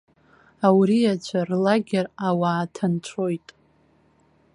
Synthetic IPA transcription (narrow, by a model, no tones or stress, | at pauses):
awɾiat͡ɕʷʰarlaɡʲerawaːtʰant͡ɕʷʰo̞jtʼ